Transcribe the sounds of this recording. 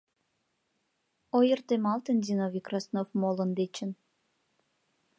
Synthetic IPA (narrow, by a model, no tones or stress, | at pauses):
ojərt̪emɑlt̪ənd̪ʲinoβʲikrɑsnofmolə̆nd̪et͡ɕə̆n